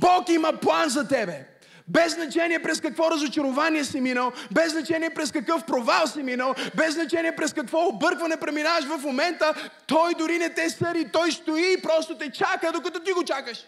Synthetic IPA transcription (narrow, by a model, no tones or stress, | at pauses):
bɔkiməplˠanzɐt̪ɛbɛ | bɛznɐt͡ʃɛniɛpɾɛskɐkvɔɾɐzot͡ʃɐɾovaniɛsiminəlˠbɛznɐt͡ʃɛniɛpɾɛskɐkɤfpɾovalˠsiminəlˠbɛznɐt͡ʃɛniɛpɾɛskɐkvɔobɤɾkvɐnɛpɾɛminavɐʃvɐfmomɛnt̪ət̪ɔjd̪ʊɾinɛt̪ɛsəɾit̪ɔjst̪oiːpɾɔst̪ot̪ɛt͡ʃakəd̪okɐt̪ɔt̪̬iɡot͡ʃakəʃ